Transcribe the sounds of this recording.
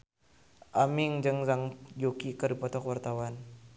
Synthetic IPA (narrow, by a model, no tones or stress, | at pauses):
ʔamiŋd͡ʒəŋzaŋd͡ʒokikədupɔt̪ɔkwart̪awan